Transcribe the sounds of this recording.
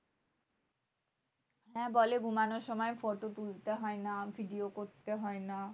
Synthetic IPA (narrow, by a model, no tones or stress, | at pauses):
ɦɛ̃boleɡʱumanoɾʃɔmɔefoʈot̪ult̪eɦɔenabʱiɖiokoɾt̪eɦɔena